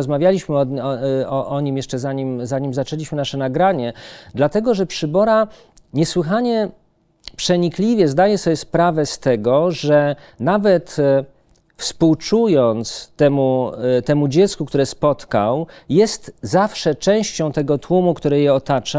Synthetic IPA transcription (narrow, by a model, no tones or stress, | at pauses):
ɔzmavʲjalʲiɕmɘɔɔʔɔɲimjɛʂt͡ʂɛzaɲimzaɲimzat͡ʂɛlʲiɕmɘnaʂɛnaɡɾaɲɛd̪lat̪ɛɡɔʐɛpʂɘbɔɾa | ɲɛswɘxaɲɛ | pʂɛɲiklʲivʲjɛzd̪ajɛsɔbjɛspɾavɛst̪ɛɡɔʐɛ | navɛt̪ | fspuwt͡ʂujɔnt̪st̪ɛmut̪ɛmud͡ʑɛt̪skukt̪uɾɛspɔt̪kawjɛst̪zafʂɛt͡ʂɛ̃w̃ɕt͡ɕɔ̃w̃t̪ɛɡɔt̪wumukt̪uɾɛjɛɔt̪at͡ʂa